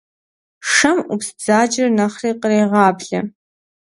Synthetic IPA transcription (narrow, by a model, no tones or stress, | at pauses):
ʂɐmupsd͡zaːd͡ʒɪrnɐχriːqəreːʁɑːbɮɐ̰